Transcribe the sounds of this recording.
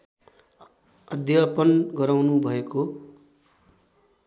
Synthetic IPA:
ʌd̪ʱjapʌnɡʌɾawnubʱʌeko

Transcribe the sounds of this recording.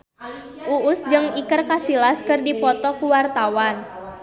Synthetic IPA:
ʔuʔʊsd͡ʒɨŋikərkasilaskɨrdipɔt̪ɔkuwart̪awan

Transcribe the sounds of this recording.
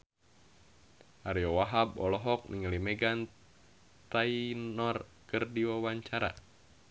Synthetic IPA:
ʔaɾiɔwaɦabɔlɔɦɔk̚niŋalimɛɡan | t̪ainɔrkɨrdiwawaɲt͡ʃaɾa̰

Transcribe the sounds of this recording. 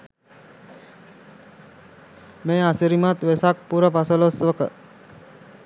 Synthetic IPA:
meːasiɾimat̪ʋesak̚puɾəpasəlosʋəkə

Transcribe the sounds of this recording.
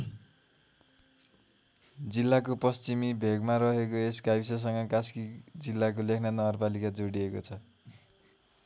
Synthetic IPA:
d͡zilːakopʌst͡simibʱeɡmaɾʌɦekoeskajbsʌs̬ʌŋʌkaskid͡zilːak̬olekʰnanʌɡʌrpalikad͡zoɽiekot͡sʰʌ

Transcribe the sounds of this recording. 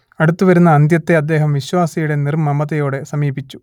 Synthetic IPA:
ɐɽut̪ːuʋɐɾunːɐːnd̪jɐt̪ːe̞ɐd̪ːe̞ːɦɐmʋiɕwaːsɐjuɽe̞nirmːɐmɐðɐjo̞ːɽe̞sɐmiːbit͡ɕːu̥

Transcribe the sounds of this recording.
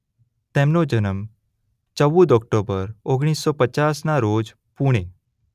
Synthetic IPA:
t̪ɛ̃mnod͡ʑənəm | t͡ʃəʋud̪ɔk̚ʈobəɾoɡɽ̃iːsːɔpət͡ʃasnaɾod͡z | puɽ̃e

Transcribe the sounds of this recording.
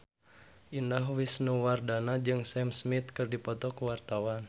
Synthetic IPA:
ʔindaɦwisnuwardanad͡ʒɨŋsɛmsmit̪̚kɨrdipɔt̪ɔkuwart̪awan

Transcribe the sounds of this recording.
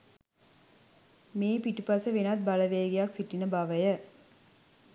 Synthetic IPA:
meːpiʈupɐsəʋenat̪̚baləʋeːɡijaksiʈːinəbaʋəjə

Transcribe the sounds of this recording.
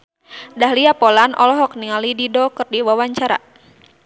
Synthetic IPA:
daɦliapɔlanʔɔ̰lɔɦɔk̚niŋalididɔkɨrdiwawaɲt͡ʃaɾa̰

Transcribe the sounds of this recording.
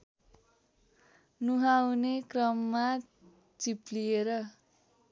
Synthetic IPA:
nuɦawnekrʌmːa | t͡siplieɾʌ

